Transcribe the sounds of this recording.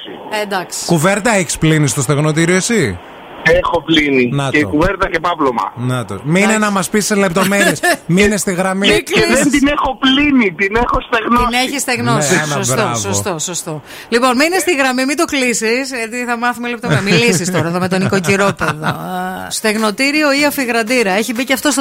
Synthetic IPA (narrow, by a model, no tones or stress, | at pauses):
ed̪ɐksi̥kuveɾt̪ɐeçi̥splinist̪o̞st̪eɣnot̪̬iɾiosi | exoplininɐtceikuveɾt̪ɐçepɐplomɐ̰nɐt̪o̰miinenɐmɐspisːele̞p̚t̪o̞meɾiesminest̪iɣɾɐmikliðet̪inexoplinit̪inexost̪eɣnoneçist̪eɣnonosbɾt̪oɐvsoost̪osost̪o | lipo̞nminest̪iɣɾɐmimit̪oklisisʝɐt̪iθɐmɐθumiɐlept̪omemilisist̪oɾɐeðome̞t̪oniko̞ciɾo̞peðo̰st̪e̞ɣno̞t̪iɾio̞iɐfiɣɾɐd̪iɾɐe̞çibiceɐft̪os